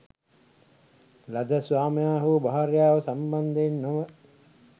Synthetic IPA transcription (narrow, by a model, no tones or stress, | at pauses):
lɐd̪ɐsʋaːmijaːɦubaɦaɾjaːʋɐsɐmband̪enːoʋə